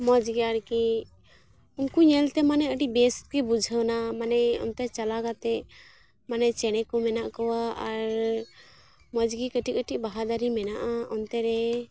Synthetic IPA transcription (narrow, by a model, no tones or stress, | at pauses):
mɔd͡ʒɡiaɽki | unkuɲɛlt̪ɛmanɛəʈiʔ̚bɛs̚kɛbud͡ʒʱənamanɛɔ̰nt̪ɛt͡ʃalaɡat̪ɛ | manɛt͡ʃɛɽ̃ɛkɔmɛnaʔkɔwaaɾ | mɔd͡ʒɡikəʈiʔ̚əʈiʔ̚baɦad̪aɾimɛnaʔaɔnt̪ɛɾɛ